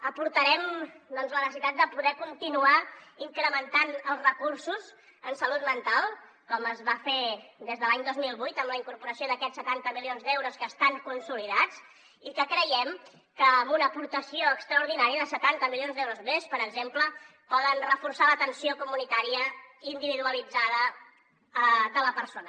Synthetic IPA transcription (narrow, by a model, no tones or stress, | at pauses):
əpuɾt̪əɾɛmd̪ɔnzlənsəsit̪at̪̚d̪əpuðɛkunt̪inuaiŋkɾəmənt̪anəlˠzrəkuɾsuz | ənsəlut̪̚mənt̪alˠ | kɔməzβafed̪ezðəlaɲd̪ozmilˠβujt̪əmləiŋkuɾpuɾəsioðəkɛsːət̪ant̪əmilionzd̪ɛwɾuskəːst̪aŋkunsuliðat͡s | ikəkɾəjɛm | kəːmbunəːpuɾt̪əsioəkst̪ɾəuɾðinaɾiəðəsət̪ant̪əmilionzd̪ɛwɾuzmespəɾəɡzemplə | pɔðənrəfursalət̪ənsiokumunit̪aɾiəind̪iβiðuəlid͡zaðə | əðələpəɾsonə